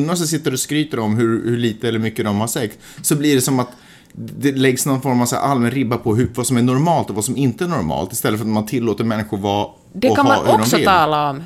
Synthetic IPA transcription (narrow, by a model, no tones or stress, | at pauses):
nːasɛs̬ɪt̪ːəɾɔskɾyːt̪əɾɔmɦɵɾhɵɭiːt̪əɛlːəɾmʏkːəd̪ɔmhaʂɛk̚t̪ | sɔbliːɖɛsɔmat̪ | d̪ɛlɛɡsnɔnfɔɾmavsæ̰ːɾʔalmɛnɾɪbːapʰɔɦɵvasɔmæɳʊɾmɑːlt̪ɔvasɔmɪnt̪əæɳɔɾmɑ̰ːlt̪ɪst̪ɛlːəfœɾat̪mant̪ʰɪlːoːt̪əɾmɛnːɪɧʊɾvɑ | dɛɔaa̰hɔʉɖɔmsɔɪɑːlaɔm